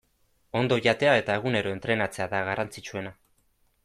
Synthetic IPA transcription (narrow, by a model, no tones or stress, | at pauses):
o̞nd̪o̞ʝat̪e̞ae̞t̪ae̞ɣ̞une̞ɾo̞e̞nt̪ɾe̞nat͡se̞aðaɣarʔant͡sit͡ʃue̞na